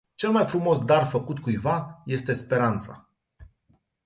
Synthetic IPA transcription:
t͡ʃe̞lmajfɾumo̞sd̪arfəkut̪kujvaje̞st̪e̞spe̞ɾant̪sa̰

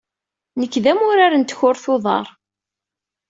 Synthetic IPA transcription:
nəkːðæmʊɾaɾənt̪çʊɾθʊðˤɑ̰ɾˤ

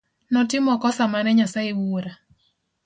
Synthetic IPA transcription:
nɔtɪmɔkɔsamanɛɲasaewuoɾa

